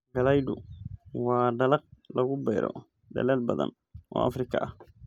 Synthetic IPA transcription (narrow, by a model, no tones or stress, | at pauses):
ɡɐlɐjdʊwɑːɖɐlɐq̚lɐɣʊbɛjɾɔ̰ | ɖɐ̰lɛːlbɐðɐ̰n | ɔ̰ːʔɐfɾɪkʰɐʔɐh